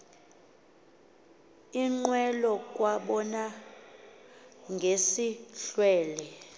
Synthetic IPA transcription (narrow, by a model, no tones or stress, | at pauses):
iŋ͡ǃwɛlɔk̬ʼwaɓɔna | ŋɡʱesiɬwɛːlɛ